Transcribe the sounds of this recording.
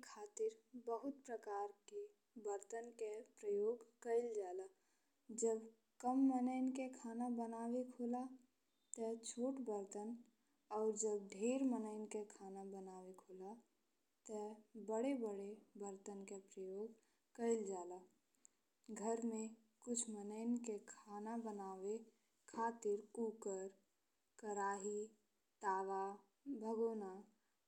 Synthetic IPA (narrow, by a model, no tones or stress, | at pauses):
kʰaːt̪ɪɾbəɦʊt̪̚pɾəkaːɾke | bəɾt̪ənkepɾəjoːɡkəɪld͡ʒaːla | d͡ʒəb | kəmːənəɪnkekʰaːnabənaːwekʰoːla | t̪ət͡ʃʰoːʈbəɾt̪ən | ɔːɾd͡ʒəb̚ɖʱeːɾmənəɪnkekʰaːnabənaːwekʰoːla | t̪ɛbəɽebəɽebəɾt̪ənkepɾəjoːɡ | kəɪld͡ʒaːla | ɡʱəɾmẽ | kʊt͡ʃʰmənəɪnkekʰaːnabənaːwe | kʰaːt̪ɪɾuːkəɾ | kəɾaːɦi | t̪aːʋa | bʱəɡoːna